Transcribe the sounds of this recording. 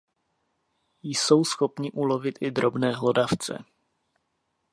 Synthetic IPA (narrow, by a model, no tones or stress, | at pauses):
jso̞wsxo̞pɲɪʔulo̞vɪt̪ʔɪd̪ɾo̞bnɛːɦlo̞daft͡sɛ̰